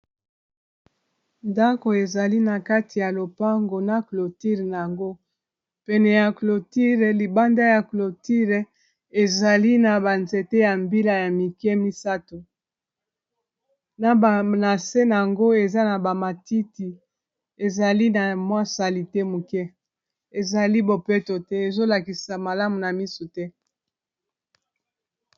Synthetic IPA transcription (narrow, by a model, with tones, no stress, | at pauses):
nda˦ko˨e˨za˨li˦na˨ka˦tʰi˨ja˨lo˨pa˦ŋɡo˨na˨klo˨ti˦ʁn˨ja˨ŋɡo˦ | pɛ˨nɛ˨ja˨klo˨ti˦ʁe˨li˨ba˦nda˦ja˨klo˨ti˦ʁe˨ | e˨za˨li˦na˨ba˨nze˨te˦ja˨mbi˦la˨ja˨mi˨kɛ˦mi˦sa˦to˨ | na˨bna˨se˦na˨a˨ŋɡo˦e˨za˦na˨ba˨ma˨ti˦ti˨ | e˨za˨li˦na˨mwa˦sa˨li˨tɛ˦mu˨kɛ˦ | e˨za˨li˦bo˨pe˦to˨tɛ˦e˨zo˦la˨ki˨sa˨ma˨la˦mu˨na˨mi˦so˨tɛ˦